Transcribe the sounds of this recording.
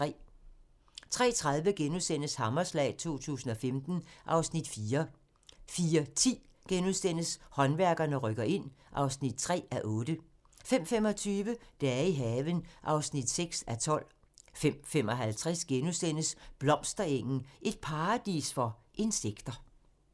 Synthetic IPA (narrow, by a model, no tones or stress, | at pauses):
ʁɛ̰ː | t͡sʰʁɛ̰ːt͡sʰʁɑ̈ð̞ˠʋəɡ̥enuðˠsd̥en̰əshɑ̈mɐslɛ̰ːɪt͡sʰo̝̰ːt͡sʰṵːsn̩ɒ̽femd̥n̩ʔɑ̈ʊsnid̥fiːɐ | fiːɐt͡sʰḭːɡ̥enusd̥en̰əshɒ̽nʋæɐɡ̥ɐnəʁœɡ̥ɐʔe̝n̰ | ʔɑ̈ʊsnid̥̚t͡sʰʁɛ̰ːæʔɔ̽ːd̥ə | fem̰femɒ̽t͡sʰyːʋəd̥ææɐiɦɛːʋənʔɑ̈ʊsnid̥seɡ̥sæt͡sʰɒ̽l̰ | fem̰fem̰ɒ̽ɦælt͡sʰʁɛsɡ̥enusd̥en̰əsb̥lɒ̽m̰sd̥ɐeŋ̰n̩ʔe̝d̥̚pʰɑ̈ːd̥ḭːsfɒ̽ʔe̝nseɡ̥d̥ɐ